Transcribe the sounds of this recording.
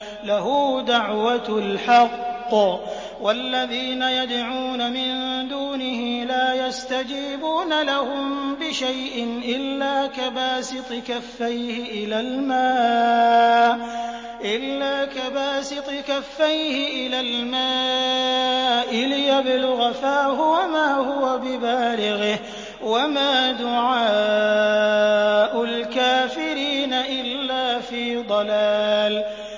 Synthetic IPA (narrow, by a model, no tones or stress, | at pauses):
lahʊd̪aʕwat̪lħɑqː | walːaðiːnajad̪ʕuːnamɪnd̪uːnɪhiːlaːjast̪ad͡ʒiːbuːnalahʊmbɪʃajʔɪnʔɪlːaːkabaːsɨt̪ˤɨkafːajhɪʔɪlaːlmaː | ʔɪlːaːkabaːsɨt̪ˤɨkafːajhɪʔɪlaːlmaː | ʔɪlɪjabɪlʊɣafaːhʊwamaːhʊwabɪbaːlɪɣɪh | wamaːd̪ʊʕaː | ʔʊlkaːfɪɾiːnaʔɪlːaːfiːd̪ˤɑlaːl